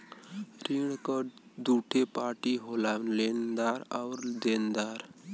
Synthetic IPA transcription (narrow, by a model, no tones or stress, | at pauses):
ɾiɳkəd̪uʈʰepaʈiɦolalend̪aɾa̰wɾd̪end̪aɾ